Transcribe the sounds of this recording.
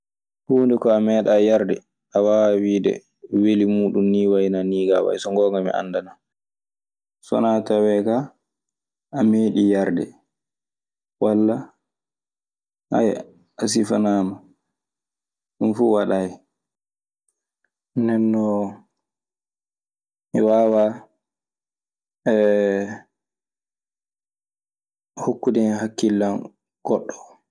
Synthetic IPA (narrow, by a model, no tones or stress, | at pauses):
huːndɛkɔamɛːɗajaɾdɛ̰ | ʔawawawiːdɛ̰ | welimuːɗumniːwajnaniːɡawa̰jsɔŋɡɔːŋɡamḭʔa̰ndana | sɔ̰natawɛka | ameːɗijaɾdɛ̰ | walːa | ha̰jɛ̰ | as̬ifanaːma | ɗunfuwaɗaj | nɛnːɔ | miwawa | ɛ | hukːudɛɦakːilːan | ɡ̥ɔɗːɔ̥